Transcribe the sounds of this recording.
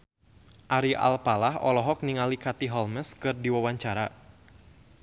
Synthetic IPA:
ʔaɾiʔa̰lpalahɔ̰lɔɦɔk̚niŋalikat̪iɦɔlməskɨrdiwawaɲt͡ʃaɾa

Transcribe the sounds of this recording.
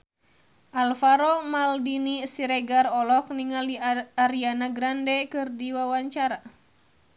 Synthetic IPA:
ʔalfaɾɔmaldinisiɾɛɡarɔlɔk̚niŋaliaɾianaɡɾandɛkɨrdiwawaɲt͡ʃaɾa

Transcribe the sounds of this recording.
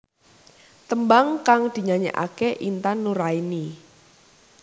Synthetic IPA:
t̪əmbaŋkaŋd̪̥i̤ɲaɲɛ̰ʔa̰keʔint̪anːuɾaini

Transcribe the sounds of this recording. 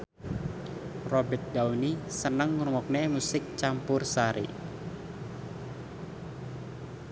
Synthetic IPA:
rɔbɛt̪̚daunisənəŋːuɾumɔk̚nemusɪk̚t͡ʃampʊrsaɾḭ

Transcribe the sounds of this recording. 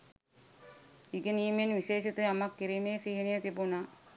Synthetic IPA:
iɡeniːmenʋiʃeːʃit̪ejamakːiɾimeːsiɦinijət̪ibuna

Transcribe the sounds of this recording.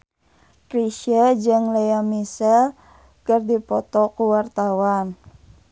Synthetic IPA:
kɾiʃəd͡ʒəŋlejamisɛl | kərdipɔt̪ɔkuwart̪awan

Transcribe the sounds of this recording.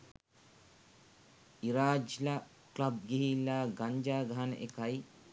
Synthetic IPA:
iɾaːd͡ʒla | klɐb̚ɡiɦilːaɡɐɲd͡ʒaːɡɐɦanə̰ʔekɐj

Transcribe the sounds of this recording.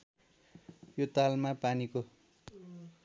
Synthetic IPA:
jot̪almapaniko

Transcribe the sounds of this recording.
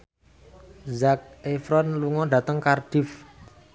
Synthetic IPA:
zak̚efɾɔnluŋɔɖä̤t̪əŋkarɖ̥if

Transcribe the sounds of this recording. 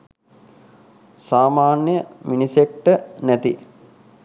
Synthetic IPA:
saːmaːnjəminisekʈənæt̪i

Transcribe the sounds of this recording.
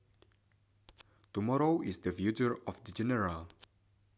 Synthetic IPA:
tumɔɹoʔisd̪əfjut͡ʃəɹɔfd̪əd͡ʒɛnɛɹal

